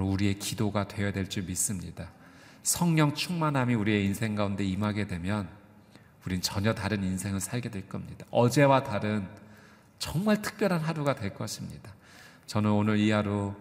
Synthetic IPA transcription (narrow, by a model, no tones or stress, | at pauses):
ɾouɾie̞kidoɡatwe̞jʌdwe̞ɭt͡ɕ͈umis͈ɯmɲida | sʰʌŋɲʌŋt͡ɕʰuŋmanɦamiuɾie̞insʰe̞ŋɡaunde̞imaɡe̞dwe̞mjʌn | uɾinɯnt͡ɕʌɲʌtaɾɯninsʰe̞ŋɯɭsʰaɭɡe̞dwe̞ɭk͈ʌmɲidaʌd͡ʑe̞wataɾɯn | t͡ɕʌŋmaɭtʰɯ̥k̚p͈jʌɾɦanɦaɾuɡadweɭk͈ʌɕʰimɲḭd̥a | t͡ɕʌnɯnonɯɾiɦaɾo